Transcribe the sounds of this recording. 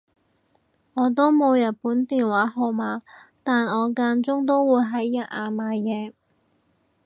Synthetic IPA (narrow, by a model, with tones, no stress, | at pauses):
ŋɔː˨˧t̪o˥wmo˨˧wjɐ˨t̚puː˨˥nt̪iː˨nwaː˨˥ɦo˨˧maː˨˧t̪aː˨nɔː˨˧kaː˧nt͡sʊ˥ŋt̪̬o˥wwuː˨˧jɦɐ˨˥jːɐ˨˩t̚aː˨maː˨˧jɛː˨˧